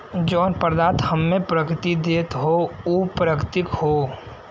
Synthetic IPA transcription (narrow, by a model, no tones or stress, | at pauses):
d͡ʒoːnpəɾd̪aːt̪həmːepɾəkɾɪt̪id̪eːt̪ɦouːpɾəkt̪ɪkho